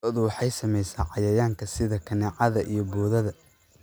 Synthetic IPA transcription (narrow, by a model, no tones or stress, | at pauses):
ɔðʊwɑħɑjsɐmɛjsaːʕɑjɐjaːŋkʰɐsɪðɐkʰɐnɛːʕɑðɐʔijɞbɔːðɐðɐ